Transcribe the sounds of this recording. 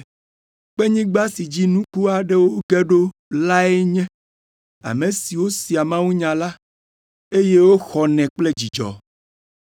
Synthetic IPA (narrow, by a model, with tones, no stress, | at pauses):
k͡pe˦ɲĩ˦ɡ͡ba˦si˨d͡ʑi˦nũ˦ku˦a˨ɖe˦wo˦ɡɛ˦ɖo˦la˦e˦ɲɛ̃˦ | a̰˨mẽ˨si˨wo˦si˨a˨mã˦wũ˦ɲã˨la˦ | e˦je˦wo˦xɔ˨nɛ̃˨k͡ple˦d͡ʑi˨d͡ʒɔ̰˨